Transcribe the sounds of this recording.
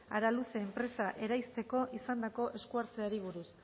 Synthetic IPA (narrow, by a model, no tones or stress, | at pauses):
aɾaluse̞ːmpɾe̞saʔe̞ɾajst̪e̞ko̞ʔisand̪ako̞ʔe̞skuaɾt͡se̞aɾiβ̞uɾus